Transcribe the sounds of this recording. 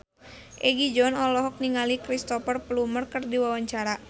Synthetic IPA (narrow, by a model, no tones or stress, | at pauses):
ʔɛɡid͡ʒɔnɔlɔɦɔk̚niŋalikɾist̪ɔfərplumərkɨrdiwawaɲt͡ʃaɾa